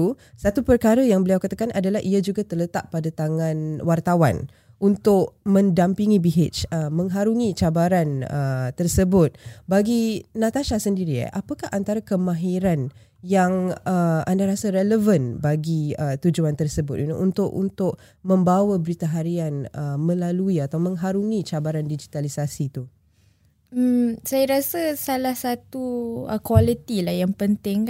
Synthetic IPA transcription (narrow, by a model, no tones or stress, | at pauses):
u | sat̪upərkaɾəjaŋbəliawkat̪akanʔadalaɦʔiad͡ʒuɡat̪ərlət̪aʔpadat̪aŋanwart̪awa̰n | ʔunt̪ʊʔmə̃ndampiŋibiɦet͡ʃəmə̃ŋɦaɾuŋit͡ʃabaɾanət̪ərsəbʊt̪̚baɡinãt̪aʃasəndiɾḭʔapəkahant̪aɾakəmãɦiɾan | jaŋəa̰ndaɾasaɾɛləvənbaɡiət̪ud͡ʒuant̪ərsəbʊt̪̚inḭʔunt̪ʊʔṵnt̪ʊʔ̚ | mə̃mbawabəɾit̪aɦaɾianəmə̃laluiat̪awmə̃ŋɦaɾunit͡ʃabaɾandid͡ʒit̪alisasit̪u | əmsajaɾasəsalahsat̪uə̰kwalit̪ilahjaŋpənt̪ɪŋ